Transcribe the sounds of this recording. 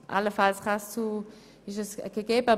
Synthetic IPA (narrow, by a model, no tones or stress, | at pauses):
ʔa̰ləfalsʁast͡su | ɪʃəsɡ̥əɡeːbəa